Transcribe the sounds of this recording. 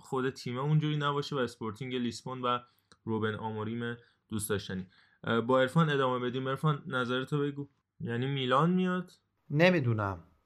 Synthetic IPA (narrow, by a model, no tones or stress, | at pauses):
xo̞d̪e̞t̪ʰiːmeund͡ʒuːɾiːnæbɒːʃevæespoɾt̪ʰiŋɟelisbonvæ | ɾobenʔɒ̰ːmoɾiːme | d̪̥uːsd̪ɒːʃt̪æniː | bɒːe̞ɾfɒne̞d̪ɒːme̞be̞d̪iːme̞ɾfɒnːæzæɾet̪ʰobe̞ɡuː | jæniːmiːlɒːnmijɒd̪̥ | nemid̪unæm